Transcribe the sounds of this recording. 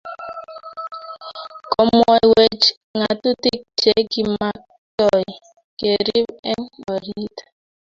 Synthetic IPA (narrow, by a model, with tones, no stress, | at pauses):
kɔ˨mɔ˨i˨we˦˨d͡ʒ | ŋa˨tu˦ti˦k̚t͡ʃe˦ɡi˨˦ma˦ | tɔ˦˨ | ke˨ɾi˦be˦ŋ˦ɔ˨ɾi˦tḁ˨